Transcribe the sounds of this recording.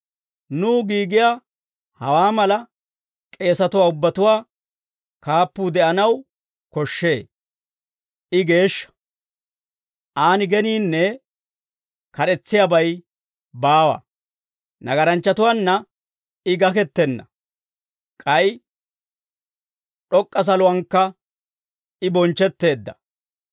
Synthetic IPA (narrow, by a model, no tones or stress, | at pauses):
nuːɡiːɡɪja | hɐwaːmɐlɐ | kʼe̞ːsɐt̪ʊwaːʊbːɐt̪ʊwaː | kaːpːuːd̪ɛʔɐnɐw | kɔʃːe̞ː | ʔɪɡe̞ːʃːɐ̥ | ʔaːnɪɡɛniːnːɛ | kɐɗɛt͡sːɪjabɐj | baːwɐ̰ | nɐɡɐɾɐnt͡ʃːɐt̪ʊwaːnːɐ | ɪɡɐk̬ɛt̪ːɛnːɐ̰ | kʼɐj | ɗɔkʼːɐs̬ɐlʊwɐŋkːɐ | ɪbɔnt͡ʃːɛt̪ːe̞ːd̪ːɐ